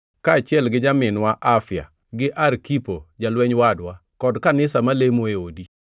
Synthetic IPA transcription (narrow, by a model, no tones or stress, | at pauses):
kaːt͡ʃɪɛlɡɪd͡ʒamɪnwaʔafja̰ | ɡɪʔarkipod͡ʒalwɛɲwadwa | kɔdkanɪsamalemoeodi